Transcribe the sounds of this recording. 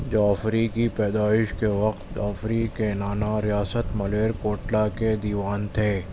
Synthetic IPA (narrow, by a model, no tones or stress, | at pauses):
d͡ʒoːfɾikipɛːd̪aːɪʃkeʋɐqtt̪ɔ̰ːfɾikenaːnaɾijaːsət̪mɐleːɾkoːʈlaked̪iːʋaːnt̪ʰeː